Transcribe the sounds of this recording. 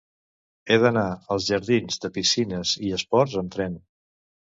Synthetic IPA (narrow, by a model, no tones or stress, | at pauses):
eðənaəlˠzʒəɾðinzd̪əpisinəziəspɔɾzəmt̪ɾɛn